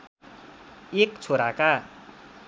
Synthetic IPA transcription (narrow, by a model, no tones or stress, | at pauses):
ekt͡sʰoɾaka